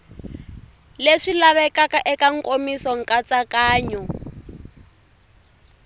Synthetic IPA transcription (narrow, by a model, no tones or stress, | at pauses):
leʂilaβɛkakaʔɛkaŋ̩kʼomisɔŋ̩kat͡sakaːɲɔ